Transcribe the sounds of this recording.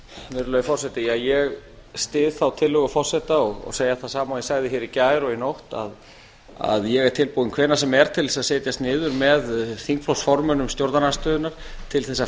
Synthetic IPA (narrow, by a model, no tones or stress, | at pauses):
vɪɾlœːɥfɔrsɛt̪ɪjaɣjɛɣ | st̪ɪːðθawt̪ʰɪlːʏɣʏfɔr̥sɛt̪aɔɣɔ̰ɣseːjaθaðsaːmawjɛsaːɣðɪçɪːɾicaːjɾɔinowht̪a̰ð | a̰ðjɛɣɛɾ̥t̪ʰɪlpuːðɪnkʰvɛːnasɛmɛɾ̥t̪ʰɪlɛsaðsɛːt̪jast̪nɪːðʏɾmɛðθiŋkflɔwsfɔɾmʏnʏmst̪jowɾt̪nanast̪œːðʏnaɾ̥ | t̪ʰɪlθɛsːa